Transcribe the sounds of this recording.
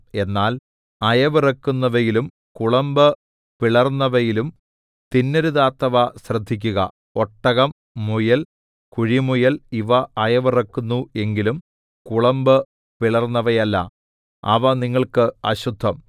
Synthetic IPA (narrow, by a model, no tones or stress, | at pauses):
e̞nːaːl | ɐjɐʋirɐkːunːɐʋɐjilum | kuɭɐmbɨ | piɭɐrnːɐʋɐjilum | t̪inːɐɾuðaːt̪ːɐʋɐɕrɐd̪ʱːik̬ʲːuɣɐ̰ | oʈːɐɣɐmː | ujɐl | kuɻimujɐliʋɐɐjɐʋirɐkːunːue̞ŋɡilum | kuɭɐmbɨ | piɭɐrnːɐʋɐjɐlːɐ̰ | ɐ̰ʋɐniŋːɐɭkɨɐ̰ɕud̪ʱːɐm